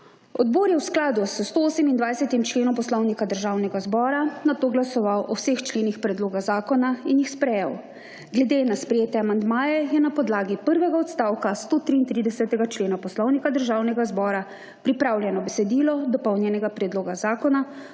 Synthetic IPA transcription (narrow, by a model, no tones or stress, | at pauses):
ɔd̪̚boːɾjɛwsklaːd̪usst̪ooːsɛmind̪ʋajsɛt̪imt͡ʃleːnɔ̃mpɔslɔwnikad̪əɾʒawnɛɡazbɔːɾanat̪oːɡlasɔʋawʔɔwsext͡ʃleːnixpɾɛd̪loːɡazaːkɔnainjixspɾɛjɛw | ɡlɛd̪eːnaspɾɛjeːt̪ɛamand̪maːjɛjɛnapɔd̪laːɡipəɾʋɛɡaɔt̪st̪aːwkast̪oːt̪ɾiːnt̪ɾid̪ɛsɛt̪ɛɡat͡ʃleːnapɔslɔwnikad̪əɾʒaːwnɛɡazbɔːɾa | pɾipɾaːwlʲjɛnɔbɛsɛd̪iːlɔd̪ɔpɔwnjɛnɛɡapɾɛd̪loːɡazaːkɔna